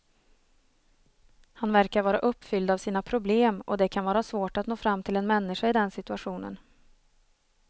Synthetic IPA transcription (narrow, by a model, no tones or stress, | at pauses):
hanvæɾkaɾvɑːɾa̰ʔɵpːfʏld̪avsiːnapʰɾʊbleːmɔd̪ɛkʰanvɑːɾasvoːʈat̪noːfɾamːt̪ʰɪlɛnmɛnːɪʂaɪd̪ɛnsɪt̪ɵaɧuːnə̰n